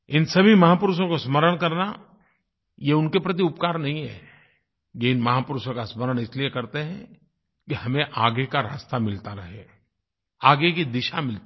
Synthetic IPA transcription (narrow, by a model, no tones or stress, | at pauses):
ɪnsɐbʱimɐɦapʊɾʃõkosməɾəɽ̃kɐɾna | jeʊnkepɾɐt̪̬iʊpkaːɾnɐɦĩɦɛ̰ː | jeɪnmɐɦapʊɾʊʃõkasməɾəɽ̃ɪsliekɐɾt̪eɦɛ̃ | kihɐmẽʔaːɡekaɾa̰ːst̪amɪlt̪aɾɐɦeː | aːɡekid̪ɪʃamɪlt̪